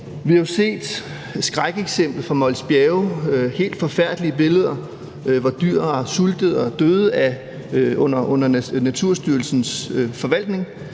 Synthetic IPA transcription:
ʋihɑjose̝̰ːd̥ | sɡ̥ʁaɡ̥eɡ̥sem̰b̥l̩fɑ̈mɒ̽lsb̥jɛːʊhe̝̰ːld̥fɒ̽fæɐ̰d̥liəb̥e̝ləð̞ˠɐ | ʋɑ̈d̥yɐ̰suld̥əð̩ˠɒ̽d̥øːð̩ˠæ | ɔ̽n̰ɐʔɔ̽n̰ɐnæt͡sʰuɐ̰sd̥yɐl̩sn̩sfɒ̽ʋæl̰d̥ne̝ŋ

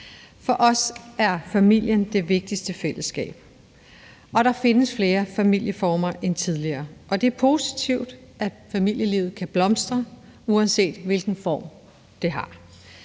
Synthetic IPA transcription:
fɒ̽ʔɒ̽sæɐfæmil̰jənd̥e̝ʋe̝ɡ̥̚d̥isd̥əfel̰əsɡ̥ɛ̰ːb̥ | ʔɒ̽ɾ̥ɑ̈fe̝nəsfle̝ːɐfæmil̰jəfɒːmɐʔent͡sʰiðˠliɐːʔɒ̽d̥e̝æɐpʰo̝ːsi̥t͡sʰiʊd̥ʔæ | fæmil̰jəliʊð̩ˠkʰæb̥lɒ̽msd̥ʁɐ | uænse̝̰ːd̥ʋe̝lɡ̥n̩fɒ̰ːm | d̥e̝ɦɑ̈

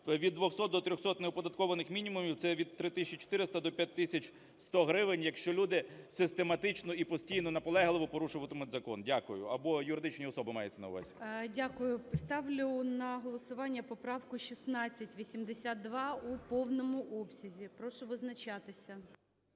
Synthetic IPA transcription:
ʋʲid̪ːʋɔxsɔt̪d̪ɔt̪ɾʲɔxsɔt̪neɔpɔd̪ɐt̪kɔʋɐnɪxmʲinʲimʊmʲiwt̪sɛʋʲid̪t̪ːɾɪt̪ɪsʲsʲt͡ʃit͡ʃo̥t̪ɪɾɪst̪ɐd̪ɔpʲjat̚ʲt̪ːɪsʲɐt͡ʃ | st̪ɔɦɾɪʋɪnʲjɐkʃt͡ʃɔlʲud̪ɪsɪst̪emɐt̪ɪt͡ʃnɔipɔsʲtʲijnɔnɐpɔlˠɛɦlˠɪʋɔpɔɾuʃʊʋɐt̪ɪmɪt̪ʲzɐkɔndʲakʊjʊ̰ɐbɔjʊɾɪd̪ɪt͡ʃnʲiɔsɔbɪmɑjʊt͡sʲɐnɐ̰wʊ̰ʋɛ̰sʲdʲakʊjʊpɪst̪ɑwlʲʊnɐɦɔlˠɔsʊʋɑnʲːɐpɔpɾɑwkʊʃʲisnɑt͡sʲːɐtʲʋʲisʲimd̪esʲat̪d̪ʋɑupɔwnɔmʊʔɔpsʲɐzʲipɾɔʃʊʋɪznɐt͡ʃɑt̪ɪsʲɐ

